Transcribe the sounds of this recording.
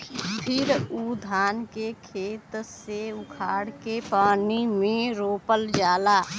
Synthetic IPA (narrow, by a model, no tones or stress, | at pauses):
pʰɪɾuːd̪ʱaːnkekʰeːt̪seʊkʰaːɽkepaːnimẽɾoːpəld͡ʒaːlaː